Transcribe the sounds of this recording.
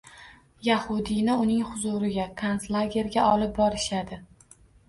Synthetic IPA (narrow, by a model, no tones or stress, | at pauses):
jahʊd̪ɪnɪʊnɪŋhʊzʊɾɪɡʲakʰanslˠaɡʲe̞ɾɡʲaʔɒlɪp̚bɒɾɪʃad̪ɪ